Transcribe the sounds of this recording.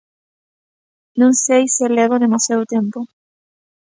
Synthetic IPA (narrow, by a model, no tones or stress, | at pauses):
nũŋsejseleβoðemasjaðut̪empo